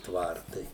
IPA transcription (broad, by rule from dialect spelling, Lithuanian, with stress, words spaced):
ˈtʋɐrtɐɪ